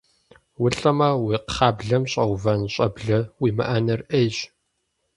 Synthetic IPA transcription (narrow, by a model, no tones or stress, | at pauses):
wʊɬʼɐmɐwiːqχɑːbɮɐmɕʼɐwvɐnɕʼɐbɮɐwiːmɨ̰ʔɐnɐrʔeːjɕ